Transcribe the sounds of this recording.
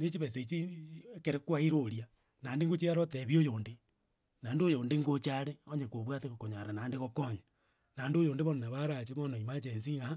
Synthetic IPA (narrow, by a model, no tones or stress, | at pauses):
net͡ʃiβeset͡ʃiekeɾekwaiɾoɾia | naːndeŋɡot͡ʃiaɾoteβjojoːnde | nandojoːndeŋɡot͡ʃaɾeoɲekoβwatekokoɲaɾanaːndeɣokoɲa | nandojoːndeβononeβaɾat͡ʃemonoimat͡ʃensiŋa